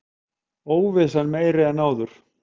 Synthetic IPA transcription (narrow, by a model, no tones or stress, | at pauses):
oːwvɪsalmeːjɾɪɛnaːwðʏɾ̥